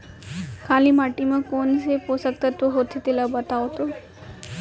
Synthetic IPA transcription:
kʰaliːmaʈiməkonseposəkt̪ət̪oɦot̪et̪ilabət̪aʋt̪o

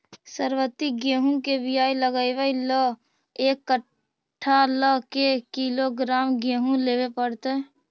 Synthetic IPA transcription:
səɾwət̪ːiɡẽːɦũkebɪjaːiləɡəɪʋəilə | eːkːə | ʈʰːaləkekiloɡɾaːmɡeːɦũleːwepəɽt̪eɛ

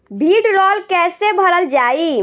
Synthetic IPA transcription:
bʱiɖɾɔlkɛsebʱəɾəld͡ʒai

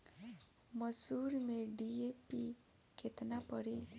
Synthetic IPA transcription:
mʌsuɾmeɖiepi | kʰet̪napɔɽi

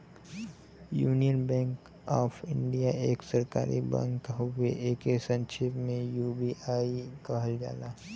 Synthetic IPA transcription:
juːnijənbɛ̃ːŋk | ɔːpʰɪ̃ɳɖijaʔeːksɐɾka̰ːɾḭbə̰̃ŋkɦoeʔeːkesə̃nʃɪpmẽjuːbiʔaːikɐɦəld͡ʒa̰ːlaː

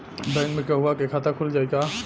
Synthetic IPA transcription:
bɛ̃ːnmẽkaɦuakekʰat̪akʰuld͡ʒaːeɡa

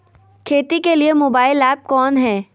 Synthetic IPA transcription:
kʰeːt̪ikeliemoːbaːɪlɛːp̚kɔːnɦɛː

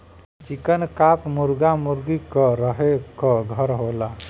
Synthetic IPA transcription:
t͡ʃikənkapmuɾɡamuɾɡikɔɾəɦekɔɡʱəɾɦola

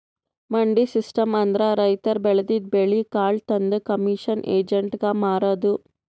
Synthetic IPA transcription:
mɐɳɖisisʈɐmɐnd̪ɾɐɾɐjt̪ɐɾbɛɭɐd̪id̪̚beɭikaːɭt̪ɐnd̪ukɐmiʂɐnʔeːd͡ʒɐɳʈɡɐmaːɾoːd̪u

